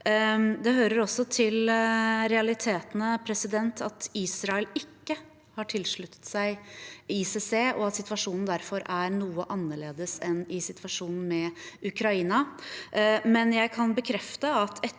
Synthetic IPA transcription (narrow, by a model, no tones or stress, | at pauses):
d̪ɛhøːɾəɾɔsːɔt̪ʰɪlɾɛɑlɪt̪ʰeːt̪nəpʰɾɛsɪd̪ɛnt̪ʰɑt̪iːsɾɑːɛlɪkːə | hɑʈʰɪlʂɭʉt̪ʰːə̥t̪sæɪiseseːʔɔɑt̪sɪt̪ʋɑʂuːnn̩d̪æɾfɔɾæɾnuːəʔɑnːəɭeːd̪əsɛnɪsɪt̪ʰʋɑʂuːnn̩mɛʉkʰɾɑiːnɑ | mɛnjæɪkʰɑnbəkʰɾɛft̪əɑt̪ʰɛ